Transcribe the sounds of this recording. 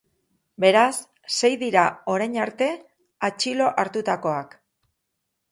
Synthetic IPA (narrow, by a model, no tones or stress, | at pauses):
be̞ɾasː | e̞jðiɾao̞ɾajɲaɾt̪e̞ | at͡ʃilo̞ʔaɾt̪ut̪ako̞ak